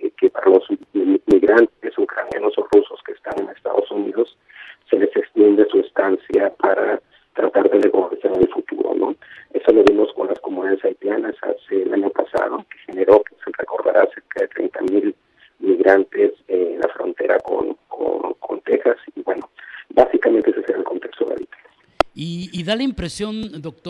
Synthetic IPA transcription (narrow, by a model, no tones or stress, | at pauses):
kepaɾalo̞zmiɣɾant̪̚esukɾanja̰no̞so̞ruso̞skeːst̪ane̞ne̞st̪a̰ðo̞suniðo̞sː | e̞le̞se̞kst̪je̞nd̪esuest̪ansjapaɾa | t̪ɾat̪aɾðeleɣosaɾelfut̪uɾo̞̰nʔo̞̰e̞so̞lo̞βimo̞sko̞nlaskomuniaesajp̪janasa̰se̞laɲo̞pasa̰ðo̞kexe̞ne̞ɾo̞keserḛko̞ɾða̰ɾʔase̞ɾkaðe̞t̪ɾe̞̰jnt̪amil | miɣɾant̪e̞senla̰fɾo̞̰nt̪e̞ɾa̰ko̰nkʰo̰nkʰo̞̰nt̪e̞xasibwe̞no̞basikament̪eeseseɾaelko̞nt̪e̞kst̪oðḛa̰βit̪ḁ | iːðalaimpɾesjo̞nd̪ok̚t̪o